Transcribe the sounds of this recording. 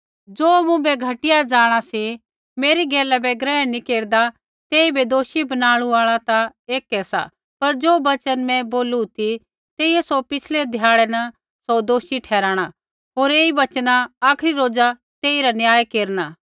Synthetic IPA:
d͡ʒoːmũbɛɡʱɐʈɪjad͡ʒaːɽ̃asi | meːɾiɡɛːlabɛɡɾɛːɛnĩkeːɾd̪a | t̪eːibed̪oːʃibɐnaːɽ̃ũaːɭat̪aeːkɛsa̰ | pɐɾd͡ʒoːbɐt͡ʃənmɛ̃boːlut̪ʰi | t̪eːiesopɪt͡ʃʰled̪ʱjaːɽɛnɐ | sod̪oːʃiʈʰɛːɾaːɽ̃a | ɦoːɾeːiʋɐt͡ʃnaaːkʰɾiɾoːd͡ʒa | t̪eːiɾanjaːjkeːɾnaː

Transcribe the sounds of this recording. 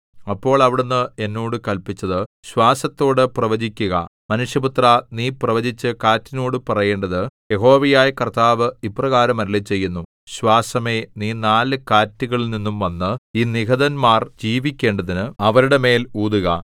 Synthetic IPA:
ɐpːo̞ːɭɐʋiɽenːɨe̞nːoːɽɨkɐlpit͡ɕːɐðɨɕwaːsɐt̪ːo̞ːɽɨprɐʋɐd͡ʑikʲːuɣɐ̰mɐnuʂjɐbut̪raniːprɐʋɐd͡ʑit͡ɕːɨkaːtːino̞ːɽɨpɐrɐje̞ːɳɖɐðɨje̞ɦo̞ːʋɐjaːjɐkɐrt̪aːʋɨiprɐɣaːɾɐmɐɾilit͡ɕːe̞jːunːu | ɕwaːsɐme̞niːnaːlɨkaːtːiɣɐɭilninːumʋɐnːɨiːniɦɐðɐnmaːrd͡ʑiːʋikʲːe̞ːɳɖɐðinɨɐʋɐɾuɽe̞me̞ːluːd̪uɣɐ̰

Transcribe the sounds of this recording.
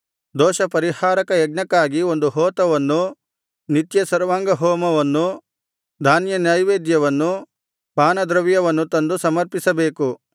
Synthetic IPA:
d̪ɔːʃɐpɐɾihaːɾɐkɐjɐɡ̚ɳɐkːaːɡio̞nd̪uɦɔːt̪ɐʋɐnːu | nit̪jɐsɐɾʋaːŋɡɐɦɔːmɐʋɐnːu | d̪ʱaːnjɐnjɐjʋeːd̪jɐʋɐnːu | paːnɐd̪ɾɐʋjɐʋɐnːut̪ɐnd̪usɐmɐɾpisɐbe̞ːku

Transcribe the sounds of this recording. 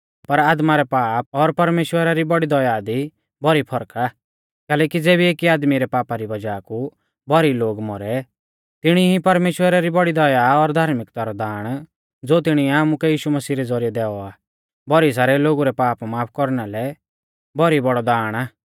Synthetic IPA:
pɐɾaːd̪maɾɛpaːp̚ɔɾpɐɾmeːʃwəɾaɾibɔɽid̪ɔjad̪i | bɔɾipʰɔɾkʰa | kɛːlɛːkid͡zeːbieːkiaːd̪miɾɛpaːpaɾibɐd͡ʒaːku | bɔɾiloːɡmɔɾɛ | t̪ɪɽ̃iɦipɐɾmeːʃwəɾaɾibɔɽid̪ɔjaɔɾd̪ʱaːɾmɪkt̪aɾɔd̪aːɽ̃ | d͡zoːt̪ɪɽ̃iɛaːmukɛjiːʃumɐsiːɾɛd͡zɔɾijɛd̪ɛːɔaː | bɔɾis̬aːɾɛloːɡuɾɛpaːpmaːpʰkɔɾnɛlɛ | bɔɾibɔɽɔd̪aːɽ̃aː

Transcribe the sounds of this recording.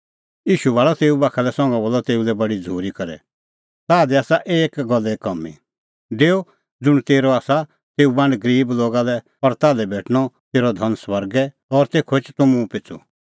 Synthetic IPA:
jiːʃuʋaːlɔt̪eːubaːkʰalɛsɔ̃ŋɡãbɔːlːɔt̪eːulɛbɐɽid͡zʱuːɾikɐɾɛ̰ | t̪aːd̪iaːsaʔeːkɡɔlːɛkɐmːḭ | d̪eːo | d͡zʊɽ̃t̪eːɾɔaːsa | t̪eːubãɳɖɡəɾiːbloːɡalɛ | ɔɾt̪aːlɛbeːʈʰñɔt̪eːɾɔd̪ʱɐnswɐɾɡɛ | ɔɾt̪eːkʰoɪt͡ʃt̪ʊmũpɪt͡sʰṵ

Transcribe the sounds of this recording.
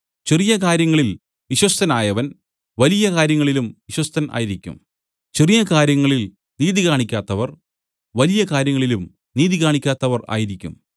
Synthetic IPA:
t͡ɕerijɐkaːɾjɐŋːɐɭil | ʋiɕwɐst̪ɐnaːjɐʋɐn | ʋɐlijɐkaːɾjɐŋːɐɭilumʋiɕwɐst̪ɐnʔa̰ːjiɾikʲːṵm | t͡ɕerijɐkaːɾjɐŋːɐɭil | niːðiɣaːɳikʲːaːt̪ːɐʋɐr | ʋɐlijɐkaːɾjɐŋːɐɭilum | niːðiɣaːɳikʲːaːt̪ːɐʋɐra̰ːjiɾikʲːṵm

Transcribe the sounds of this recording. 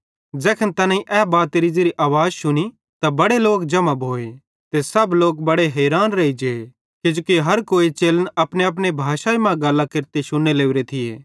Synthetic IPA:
d͡ʒɛːkʰənt̪ɐnãĩʔɛːbaːt̪eɾid͡ʒeɾiʔaːʋaːd͡ʒʃʊni | t̪abɐɽeloːkd͡ʒɐməbɦoːe | t̪esɐbloːk̚bɐɽeɦɛːɾaːnɾɐid͡ʒeː | kɪd͡ʒoːkiɦɐɾkoːit͡ʃeːlənɐpneɐp̬nebʱaːʃaːimãɡɐlːakɪɾt̪eʃʊnːeleːʊɾet̪ʰɪjḛː

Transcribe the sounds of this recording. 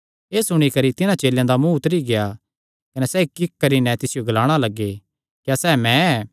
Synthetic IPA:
eːsʊɽ̃ikɐɾit̪ɪnãt͡ʃeːljãd̪amũʊt̪ɾiɡea | kɐnɛsɛːkɪkkːɐɾinɛt̪ɪsɪjoɡɐlaːɽ̃alɐɡːe | kjasɛːmɛ̃ɛ

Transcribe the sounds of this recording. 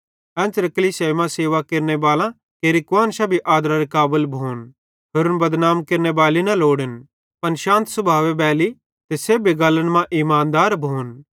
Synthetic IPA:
ɛ̃ːnt͡ʃɾɐkliseːmãseːʋakeːɾnebaːlã | keːɾikʋaːnsɐbʱiʔaːd̪ɾaɾekaːbəlbʱoːn | ɦʊɾʊnbɐd̪naːmkeːɾnebaːlinɐloːɽən | pɐnʃãːnt̪sɐbʱaːʋebɛːli | t̪esebeɡaləɽ̃mãʔimãːnd̪aːɾbʱuːn

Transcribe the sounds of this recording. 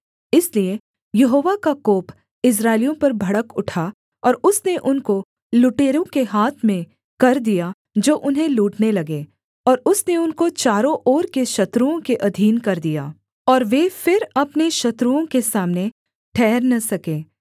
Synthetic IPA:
ɪslie | jɐɦoːʋakakoːp | ɪs̬ɾaːɪlijõpɐɾbʱɐɽəkʊʈʰa | ɔːɾʊsneʔʊnko | lʊʈeːɾõkeɦaːt̪ʰmẽ | kɐɾd̪ija | d͡ʒoːʔʊnɦẽluːʈnelɐɡeː | ɔːɾʊsneʊnkot͡ʃaːɾõʔɔːɾkeʃɐt̪ɾuõkeʔɐd̪ʱiːnkɐɾd̪ija̰ː | ɔːɾʋefɪɾɐpneʃɐt̪ɾuõkesaːmne | ʈʰɛːɾnɐsɐkeː

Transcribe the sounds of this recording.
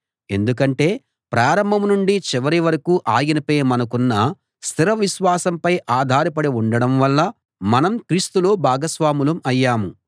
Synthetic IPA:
e̞̰nd̪uk̬ɐɳʈe̞ː | pɾaːɾɐmbʱɐmnuɳɖit͡ʃiʋɐɾiʋɐɾɐkuːʔaːɡinɐpeːmɐnɐkunːɐ | st̪ʰiɾɐʋiʃʋaːsɐmpɐjʔaːd̪ʱaːɾɐpɐɽiuɳɖɐɽɐmʋɐlːɐ | mɐnɐmkɾiːst̪ulo̞ːbʱaːɡɐsʋaːmulɐmɐjːaːmu

